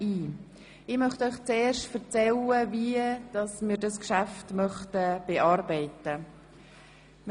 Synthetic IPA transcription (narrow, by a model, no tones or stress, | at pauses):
iː | ɪmœχtœʏχt͡seːɾʃtfəɾt͡sɛləviəd̥ɑsmiːɾdɑskʃaftmœχtəb̥eʔɑːɾbɛɪtə | m